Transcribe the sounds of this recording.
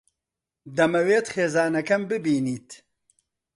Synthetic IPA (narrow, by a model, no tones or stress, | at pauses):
d̪ɐmɐweːt̪xeːzɑːnɐkɐmbɨbiːniːt̪